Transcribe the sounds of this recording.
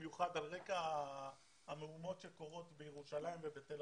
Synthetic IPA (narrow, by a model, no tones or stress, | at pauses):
juχad̪alʁe̞kaː | meumo̞tʃe̞ko̞ʁo̞t̪bejeʁuʃalaimvebet̪el